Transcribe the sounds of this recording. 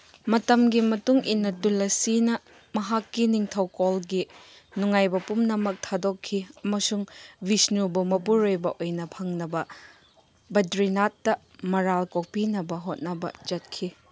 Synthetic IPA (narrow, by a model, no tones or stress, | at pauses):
mɐtɐmɡimɐtuŋinːɐtulɐsinɐ | mɐɦakːiniŋtʰɐwkolɡi | nuŋajbɐpumnɐmɐk̚tʰadokʰːiɐmɐsuŋbisnubumɐpuɾojbɐʔojnɐpʰɐŋnɐbɐ | bɐdɾinat̚dɐ | mɐɾalkok̚pinɐbɐɦot̚nɐbɐ̰d͡ʒɐt̚kʰi